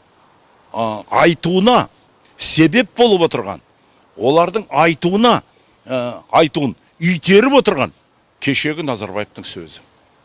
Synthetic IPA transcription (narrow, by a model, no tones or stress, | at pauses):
ɑjt̪uənɑ | se̞be̞p̚bo̞lˠəpwo̞t̪əɾʁɑ̰n | wo̞lˠɑɾd̪əɴɑjt̪uənɑ | ɑjt̪uən | ʏjt̪ʰe̞ɾɪpo̞t̪əɾʁɑ̰n | kʲʰe̞ʃe̞ɡʲɪnɑzɑɾbɑ̰jevt̪əŋsɵ̰zɪ